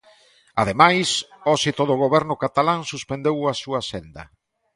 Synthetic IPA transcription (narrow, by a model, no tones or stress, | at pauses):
a̰ðemajsɔsit̪oðʊɣoβɛɾnʊkat̪alaŋsuspend̪ewasuasend̪ɐ̰